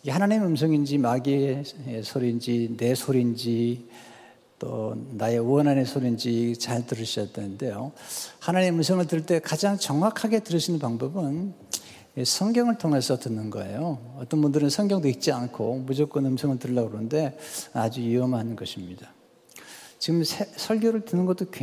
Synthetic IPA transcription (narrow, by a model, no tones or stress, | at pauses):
hanaɲimɯmsʰʌŋind͡ʑimaɡeesʰoɾind͡ʑine̞sʰoɾind͡ʑi | t͈o̰nae̞ʌnanesʰoɾind͡ʑit͡ɕaɭtɯɾɯɭɕʰiʌt͈̚enɯnde̞johanaɲimɯmsʰʌŋɯɭtɯɭt͈e̞kad͡ʑaŋt͡ɕʌŋwakʰaɡe̞tɯɾɯɕʰinɯnpaŋbʌbɯn | sʰʌŋɡjʌŋɯɭtʰoŋe̞sʰʌtɯnːɯnɡʌ̰e̞̰joʌt͈ʌnbundɯɾɯnsʰʌŋɡjʌŋdoik̚t͡ɕ͈iankʰomud͡ʑok͈ʌnɯmsʰʌŋɯɭtɯɭːaɡɾonɯnde̞ad͡ʑuiʌmɭɦanɯnɡʌɕʰimɲida | t͡ɕiɡɯmsʰesʰʌɭɡjoɾɯɭtɯnɯnɡʌt͈oke